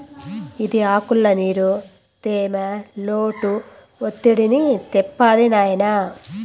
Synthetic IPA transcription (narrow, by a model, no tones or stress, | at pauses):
id̪iaːkuɭːɐniːɾu | t̪eːmɐloːʈu | ot̪ːiɽinit̪ɛpːaːd̪inaːjnɐ